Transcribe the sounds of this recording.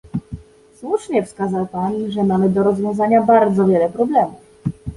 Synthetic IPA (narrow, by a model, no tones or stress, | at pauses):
swuʂɲɛfskazawpanʐɛmamɘd̪ɔɾɔzvʲjɔ̃w̃zaɲabaɾd̪zɔvʲjɛlɛpɾɔblɛmuf